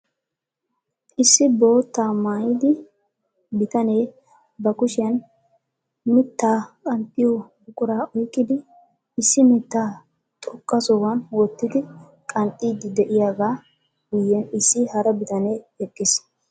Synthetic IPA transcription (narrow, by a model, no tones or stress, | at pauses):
ʔɪsːɪbo̞ːt̪ːaːmaːjɪd̪ɪ | bɪt̪ɐneː | bɐkʊʃɪjɐn | mɪt̪ːaːkʼɐnt̪ʼːɪjɔ | ʊkʼʊɾaːʔɔjkʼːɪd̪ɪː | sːɪmɪt̪ːaː | t̪ʼɔkʼːɐsɔwɐnwɔt̪ːɪd̪ɪ | kʼɐnt̪ʼiːd̪ɪd̪ɛʔɪjaːɡaː | ɡʊjːɛnɪsːɪhɐɾɐbɪt̪ɐne̞ːɛkʼːɪs